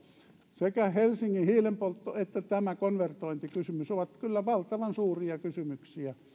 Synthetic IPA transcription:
sekæhelsiŋːihiːlempolt̪ːoet̪ːæt̪æmækonʋert̪oint̪ikysymysoʋɑt̪kylːæʋɑlt̪ɑʋɑnsuːriɑkysymyksiæ

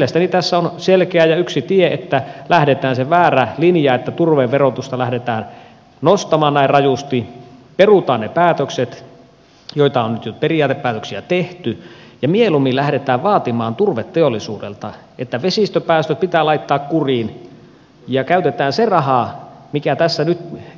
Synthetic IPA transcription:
lest̪ænit̪æsːæonselkeæjɑyksit̪ieʔet̪ːælæhdet̪æːnseʋæːrælinjɑet̪ːæt̪urʋeʋʋerot̪ust̪ɑlæhdet̪æːn | nost̪ɑmɑːnnæirrɑjust̪iperut̪ɑːnnepæːt̪økset̪ | joit̪ɑonnyt̪joperiɑːt̪eppæːt̪øksiæt̪eht̪yjɑmielumilæhɾet̪æːʋʋɑːt̪imɑːnt̪urʋet̪teolːisuːdḛlt̪ɑ | ʔet̪ːæʋesist̪øpæːst̪øpit̪æːlɑit̪ːɑːkkuriːn | jɑkæyt̪et̪æːnserɑhɑmikæt̪æsːænyt̪

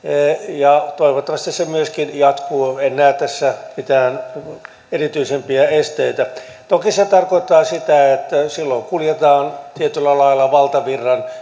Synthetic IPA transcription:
jɑt̪oiʋot̪ːɑʋɑst̪issemyøskinjɑt̪kuːenːæːt̪æsːæmit̪æːn | erit̪yisempiæest̪eit̪æ | t̪okiset̪ɑrkoit̪ːɑːsit̪æet̪ːæsilːoikuljet̪ɑːnt̪iet̪ylːælɑilːɑʋɑlt̪ɑʋirːɑn

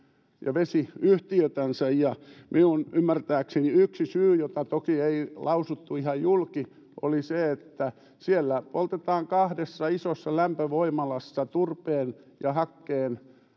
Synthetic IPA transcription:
jɑ̰ʋesiyht̪iøt̪ænsæjjɑmʔiunymːært̪æːkseniyksisyːjot̪ɑt̪okieilɑusut̪ːuihɑjjulki | ʔo̰liseet̪ːæ | sielːæpolt̪et̪ɑːŋkɑhdesːɑisosːɑlæmpøʋoimɑlɑsːɑt̪urpeːnjɑhɑkːeːn

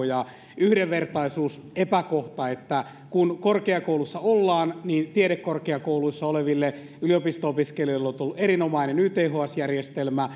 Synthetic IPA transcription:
jɑ | yhdeʋʋert̪ɑisuːsepækoht̪ɑet̪ːæ | kunkorkeɑkoulusːɑolːɑːnniːnt̪ieɾekkːorkeɑkouluisːɑoleʋilːe | yliopist̪oopiskelioilːeont̪ulːuerinomɑinenyːt̪eːɦoɑsjærjest̪elmæ

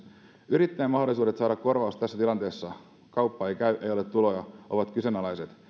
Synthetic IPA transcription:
yɾit̪ːæːmɑɦdolisuːde̞t̪sɑːdɑkko̞rʋɑust̪æsːæt̪ilɑnt̪e̞ːsːɑ | kɑwpːɑejkæyɥʔe̞jo̞let̪ːulojɑʔoʋɑt̪kysønɑlɑjset̪

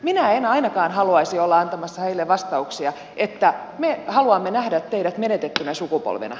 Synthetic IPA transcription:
minæenɑinɑkɑːnhɑluɑisiolːɑɑnt̪ɑmɑsːɑheilːeʋʋɑst̪ɑuksiɑ | ʔet̪ːæmehɑluɑmːenæhdæt̪t̪eiɾæt̪menet̪et̪ːynæsukupo̰lʋḛnɑ̰

